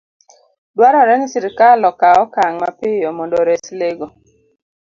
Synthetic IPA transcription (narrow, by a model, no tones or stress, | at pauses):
dwaɾɔɾɛnisiɾɪkalɔkaɔkaŋmapɪjɔmɔndɔɾɛsleɡo